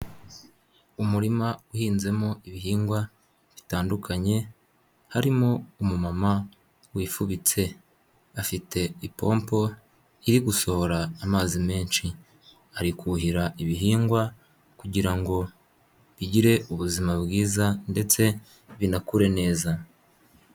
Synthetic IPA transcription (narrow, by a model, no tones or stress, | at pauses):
umuɾimauhiːnze̞moiβiɦiːŋɡwa | βitaːndukʰaɲe̞ | haɾimoumumama | wiːfuβit͡se̞ | afite̞ipo̞ːmpo̞ | iɾiɡuso̞ho̞ɾaːmaːzime̞ːnʃi | aɾikuɦiɾaiβiɦiːŋɡwa | kuɟiɾaŋɡo̞ | βiɟiɾe̞uβuzimabɡiːzande̞t͡se̞ | βinakuɾe̞ne̞ːza